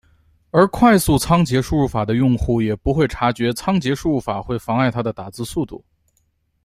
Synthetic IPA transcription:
ə˞˧˥kʰwa˥˧ɪsu˥˩t͡sʰɑ˥ŋt͡ɕjɛ˧˥ʂu˥˧ɻu˥˩fa˨˩d̪ə˦jʊ˥˧ŋxu˥˩jɛ˨˩pu˧˥xwe˥˩ɪʈ͡ʂʰa˧˥t͡ɕɥɛ˧˥t͡sʰɑ˥ŋt͡ɕjɛ˧˥ʂu˥˧ɻu˥˩fa˨˩xwe˥˩ɪfɑ˧˥ŋa˥˩ɪt̪ʰa˥d̪ə˨t̪a˨˩t͡sɹ̩˥˧su˥˧t̪u˥˩

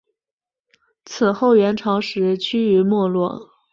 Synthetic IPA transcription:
t͡s̩ʰ˨˩xo˥˩ʊɥɛ˧˥nʈ͡ʂʰɑ˧˥ŋʂɻ̩˧˥t͡ɕʰy˥y˧˥mwɔ˥˧lwɔ̰˥˩

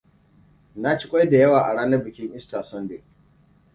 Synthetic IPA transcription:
na˦t͡ʃi˦kʷʼɔ˦jda˨jɐ˦waː˨ʔa˨ɽaː˦nɐ˦bɪ˨kʲɪ˦ŋʔɪ˦staː˨sɔ˦nde˨

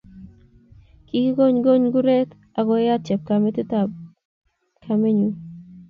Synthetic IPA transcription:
ki˦ki˦ɡo˦ɲɡo˦ɲɡu˦ɾe˦t̪ | a˨ɡɔ˨˦ja˦t͡ʃɛ˨b̚ka˨me˦t̪u˦ta | kʰa˨me˦ɲu˨

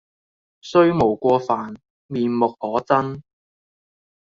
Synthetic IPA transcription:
sɵ˥ɥmo˨˩wkʷɔː˧faː˨˩n | miː˨nmʊ˨k̚hɔː˨˥t͡sɐ˥n

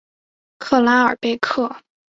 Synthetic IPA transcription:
kʰɤ˥˩la˧˥ə˞˨˩pe˥˧ɪkʰɤ˥˩

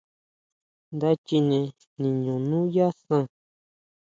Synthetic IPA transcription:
nd̪a˦t͡ʃi˧nẽ˧ | nĩ˨ɲũ˨nũ˦ja˦sã˦˧

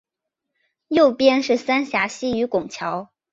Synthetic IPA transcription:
jo˥˩ʊpjɛ˥nʂɻ̩˥˩sa˥nɕja˧˥ɕi˥y˧˥kʊ˨˩ŋt͡ɕʰjɑ˧˥ʊ

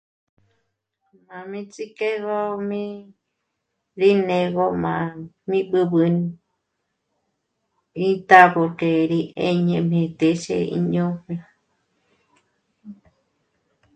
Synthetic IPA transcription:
mã˨mĩ˦t͡sʼi˦ke˦ɣo˦mĩ˦ | ɾi˦nẽ˧ɣo˦˧mã˧˨ | mĩ˦bɨ˧bɨ˧ni | ĩ˦t̪a˦bo˧ke˨ɾi˧ʔe˧ɲẽ˧mẽ˧t̪e˧˨sḛ˧ḭ˧ɲõ˦mĩ˧

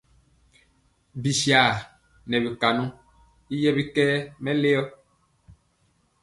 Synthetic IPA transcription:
bi˨si˨a˨ | nɛ̃˨be˨ka˨nɔ̃˦ | i˦jɛ˦βi˦kɛ˦mɛ̃˦le˦ɔ˦

